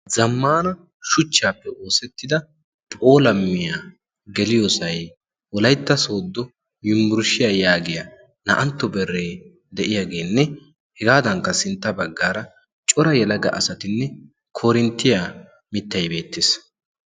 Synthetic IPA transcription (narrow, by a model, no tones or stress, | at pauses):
zɐmːaːnɐ | ʃʊt͡ʃːaːpːɛo̞ːsɛt̪ːɪd̪ɐ | pʼo̞ːlɐmːɪja | ɡɛlɪjosɐj | wɔlɐjt̪ːɐso̞ːd̪ːɔ | jɪmbʊɾʃɪjaːjaːɡɪjɐ | nɐʔɐnt̪ːɔbɛrːe | d̪ɛʔɪjaːɡe̞ːnːɛ | hɛɡaːd̪ɐŋkːɐsɪnt̪ːɐbɐɡːaːɾɐ | t͡ʃʼɔɾɐjɛlɐɡɐ̰ʔɐsɐt̪ɪnːɛ | kʰoːɾɪnt̪ːɪja | mɪt̪ːɐjbe̞ːt̪ːɪs